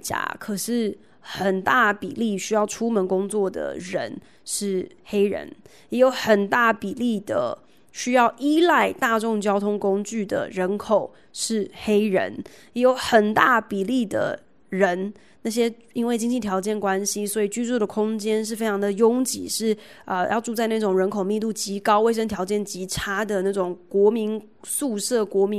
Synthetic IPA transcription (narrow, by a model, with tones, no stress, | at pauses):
t͡ɕja̰˨˥kʰɤ˨˩ʂɻ̩˥˩ | xə˨˩nt̪a˥˩pi˨˩li˥˩ɕy˥jɑ˥˩ʊʈ͡ʂʰu˥mə˧˦nkʊ˥ŋt͡swɔ˥˩d̪ə̰˩ɻə̰˧˥n | ʂɻ̩˥˩xe˥ɪɻə̰˧˥n | jɛ˧˥jo˧˥ʊxə˨˩nt̪a˥˩pi˨˩li˥˩d̪ə̰˩ | ɕy˥jɑ˥˩ʊʔi˥la˥˧ɪt̪a˥˧ʈ͡ʂʊ˥˩ŋt͡ɕjɑ˥ʊt̪ʰʊ˥ŋkʊ˥ŋt͡ɕy˥˩d̪ə̰˩ɻə˧˥nkʰo˨˩ʊ | ʂɻ̩˥˩xe˥ɪɻə̰˧˥n | jɛ˧˥jo˧˥˦ʊxə˨˩nt̪a˥˩pi˨˩li˥˩d̪ə̰˩ | ɻə˧˦˥n | na˥˩ɕ̬jɛ˥ | i˥nwe˥˩ɪt͡ɕi˥ŋt͡ɕi˥˩t̪ʰjɑ˧˥ʊt͡ɕjɛ˥˩nkwa˦nɕi˥swɔ˧˥i˨˩t͡ɕy˥˧t͡su˥˩ɾə˩kʰʊ˥ŋt͡ɕjɛ˥nʂ̬ɻ̩˥˩fe˥ɪʈ͡ʂʰɑ˧˥ŋd̪ə˨jʊ˥ŋt͡ɕḭ˨˩˦ʂɻ̩˥˩ə˧jʔɑ˥˧ʊʈ͡ʂu˥˧t͡sa˥˧ɪna˥˩ʈ͡ʂʊ˨˩ŋɻə˧˥nkʰo˨˩ʊmi˥˧t̪̬u˥˩t͡ɕi˧˥kɑ˥ʊwe˥˩ɪʂ̬ə˥ŋt̪ʰjɑ˧˥ʊt͡ɕjɛ˥˩nt͡ɕi˧˥ʈ͡ʂʰa˥d̪ə˨na˥˩ʈ͡ʂʊ˨˩ŋkwɔ˧˥mi˧˥n | su˥˧ʂɤ˥˩kwɔ˧˥mi˧˦